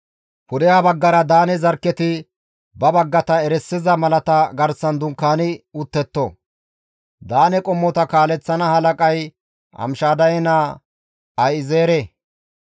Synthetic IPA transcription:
pʊd̪ɛjabɐɡːɐɾɐd̪aːnɛzɐɾkːɛt̪ɪ | bɐbɐɡːɐt̪ɐɛɾɛsːɪzɐmɐlɐt̪ɐɡɐɾsɐnd̪ʊŋkːaːnɪʊt̪ːɛt̪ːɔ | d̪aːnɛkʼɔmːɔt̪ɐkaːlɛt͡sːɐnɐhɐlɐkʼɐj | ɐ̰mʃaːd̪ɐjɛnaː | ɐjɪzeːɾe

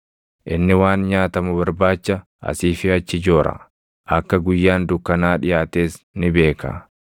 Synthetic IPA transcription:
ʔɪnːɪwaːnɲaːt̪ɐmʊbɐɾbaːt͡ʃːɐ | ʔɐ̰siːfɪɐt͡ʃːɪd͡ʒo̞ːɾɐ̰ | ʔɐkːɐɡʊjːaːnd̪ʊkːɐnaːᶑɪjaːt̪eːs | nɪbe̞ːkɐ̰

